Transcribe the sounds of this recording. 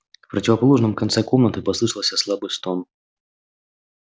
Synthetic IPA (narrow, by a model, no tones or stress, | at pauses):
fpɾɐtʲɪvɐpɐlˠuʐnɨmkɐnt̪sɛkɔmnət̪ɨpɐslˠɨʂɨlˠsʲɐslˠabɨst̪ɔn